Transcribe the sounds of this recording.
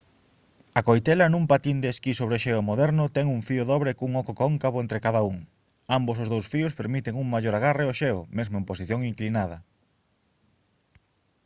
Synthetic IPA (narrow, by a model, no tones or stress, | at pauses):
ɐkojt̪ɛlɐnũmpat̪ind̪eːskisoβɾeʃeʊmoðɛɾnʊt̪ɛŋuŋfiʊðɔβɾekuŋɔkokoŋkaβoent̪ɾɪkaðauŋ | ambos̬ʊzðowsfiʊspeɾmit̪eŋuŋmaʎoɾaɣ̞areoʃeomezmoemposiθjoŋiŋklinaðɐ̰